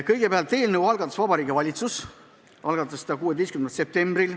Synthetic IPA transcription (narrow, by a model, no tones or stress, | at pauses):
kɤ̞jɡepeɑlt̪ːˑe̞ːlnəwɑlɡ̥ɑt̪ːˑɑ̥svɑbɑɾiːɡ̥ivɑlʲit̪sus | ɑlɡ̥ɑt̪ːˑɑsːd̥̪ɑkuːed̪e̞jskymnet̪se̞p̚t̪e̞mbril